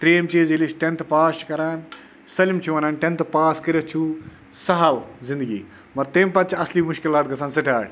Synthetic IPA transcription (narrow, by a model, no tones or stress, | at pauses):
t̪ɾeːmt͡ʃiːzilisʈent̪ʰpaːskɐɾaːn | sɐlimt͡ʃʰuʋɐnaːnʈent̪ʰpaːskɐɾɐt͡ʃʰuː | sɐɦawzɪ̃nd̪ɨɡḭː | mɐɾt̪eːmpɐt̪̚t͡ʃʰɐsliːmʊʃkilaːt̪̚ɡɐsaːnsɐʈʰaːɽʲ